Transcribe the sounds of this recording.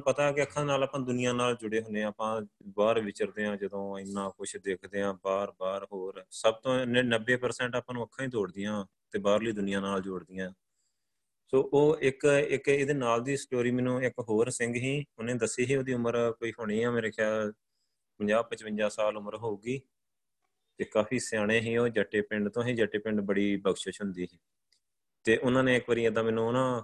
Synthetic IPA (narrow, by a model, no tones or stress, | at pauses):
pət̪aːkɪəkʰːãːnaːlaːpãːd̪ʊnɪjãːnaːld͡ʒʊɽeːɦõːnẽːaːpãːbaːɾʋɪt͡ʃəɾd̪eːãːd͡ʒəd̪õːɪnːãːkʊt͡ʃʰd̪eːkʰd̪eːãːbaːɾbaːɾɦoːɾsəb̚t̪õːnəbːeːpəɾsɛ̃ːɳʈaːpãːnũːəkʰːãːĩːt̪oːɽd̪ɪjãː | t̪eːbaːɾliːd̪ʊnɪjãːnaːld͡ʒʊːɽd̪ɪjãː | soːʔoːɪkɪkeːd̪eːnaːld̪iːsʈoːɾiːmɛ̃ːnũːɪkɦoːɾsɪŋɡɦĩːʊnẽːd̪əsːiːɦiːoːd̪iːʊməɾkoːiːɦoːɽ̃iːãːmeːɾeːkʰjaːl | pəɲd͡ʒaːb̚pət͡ʃpəɲd͡ʒaːsaːlʊməɾɦoːuːɡiː | t̪eːkaːpʰiːsjaːɽ̃ẽːɦiːoːd͡ʒəʈeːpɪɳɖt̪õːɦĩːd͡ʒəʈeːpɪɳɖbəɽiːbəɡʃət͡ʃʰɦʊnd̪iːɦiː | t̪eːʔʊnãːnẽːɪkʋəɾiːãd̪ãːmɛːnũːnãː